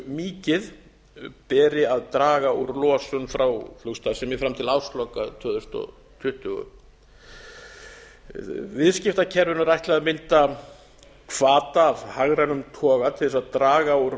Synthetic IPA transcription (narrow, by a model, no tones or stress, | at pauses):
miːcɪð | pɛːɾɪaðt̪ɾaːɣauɾlɔːsʏnfɾawflukst̪aðsɛmjɪfɾamt̪ʰɪlawst̪lɔkat̪ʰœːðʏst̪ɔ̰ | t̪ʰʏht̪ʏɣʏ̰ | vɪðscɪft̪acʰɛɾvʏnʏɾajht̪lɪaðmɪnt̪a | kʰvaːt̪aːvhaɣɾanʏmt̪ʰɔːɣat̪ʰɪðɛsaðt̪ɾaːɣauɾ